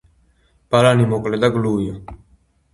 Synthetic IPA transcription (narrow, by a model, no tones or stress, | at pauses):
palanimokled̪aɡluːjo